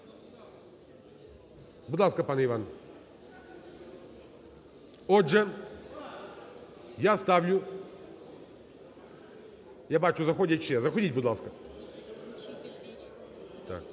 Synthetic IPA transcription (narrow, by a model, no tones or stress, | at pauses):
bʊd̪lˠaskəpanəɪvan | odʐɛ | jast̪avlʲʊ | jabat͡ʃʊzɐxodʲɪt͡ɕːezɐxɐdʲit̚ʲbʊd̪lˠaskə | d̪̥a̰k